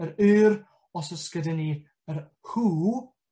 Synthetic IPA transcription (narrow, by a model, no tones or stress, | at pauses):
əɾʉːɾ | ɔsəskədəni | əɾ | huː